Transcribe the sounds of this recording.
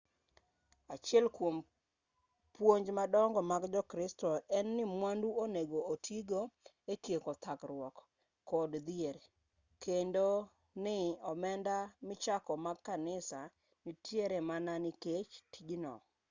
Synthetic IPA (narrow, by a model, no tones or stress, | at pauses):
at͡ʃɪɛlkwom | pwoɲd͡ʒmadɔŋɡɔmaɡd͡ʒɔkɾɪstɔɛnːɪmwanduoneɡootʰiɡo | ekjekɔt̪ʰakɾwɔkː | ɔdd̪ɪeɾ | kendo | nɪɔmɛndamɪt͡ʃakɔmaɡkːanɪsa | nɪtʰjeɾemananɪket͡ʃtʰiɡnɔ̰